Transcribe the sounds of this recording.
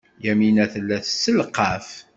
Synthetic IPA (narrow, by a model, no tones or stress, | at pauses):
jæminæθəlːæθsːəlqːɑf